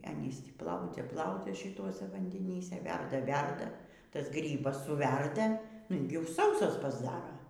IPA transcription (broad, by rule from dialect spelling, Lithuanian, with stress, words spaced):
ˈɑːnʲiːs ˈtʲiː ˈplˠɐʊd͡zʲɛ ˈplˠɐʊd͡zʲɛ ʃʲɪˈtuɔsʲɛ ʋɐnʲdʲɛˈnʲiːsʲɛ ˈʋʲɛrdɐ ˈʋʲɛrdɐ ˈtɐs ˈɡrʲiːbɐs sʊˈʋʲɛrdɐ ɪlʲˈɡʲɛʊ ˈsɐʊsɐs pɐzˈdɑːrɐ